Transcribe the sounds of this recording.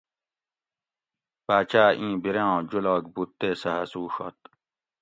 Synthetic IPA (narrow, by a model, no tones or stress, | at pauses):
paːt͡ɕaːʔĩːbiɾẽõːd͡ʑulaːɡ̚but̪ːeːsɐɦɐsuːɕo̰t̪̚